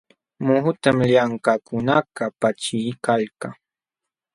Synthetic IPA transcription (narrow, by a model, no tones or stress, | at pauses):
mʊɦʊt̪amʎaŋkakʊnakapat͡ʃɪjkalkaŋ